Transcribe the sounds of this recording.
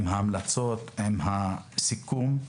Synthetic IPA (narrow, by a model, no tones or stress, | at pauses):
mhaːmlat͡sot̪hemhasikum